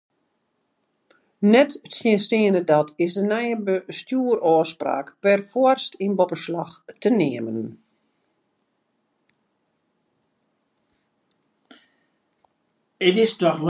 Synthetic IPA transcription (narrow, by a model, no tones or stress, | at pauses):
nɛtsjənstiənədɔtʰɪsdənɛjəbəstjuərʔɔːspra̰ːkpɛrfɔərstinbɔpəslɑxtənɪəmən | ətɪstɔx